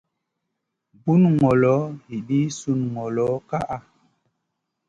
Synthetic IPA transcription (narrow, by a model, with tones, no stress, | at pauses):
bu˦nŋɔ˨lɔ˨˦hi˨ɗi˦su˨nŋɔ˨lɔ˨˦ka˦ʔa˦